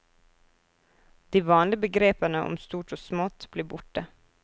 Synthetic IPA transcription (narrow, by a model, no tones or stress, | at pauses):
d̪̥iːʋɑːnlɪbəɡɾeːpənəʔɔ̰mst̪uːʈoːsmot̪b̥leːbʊʈə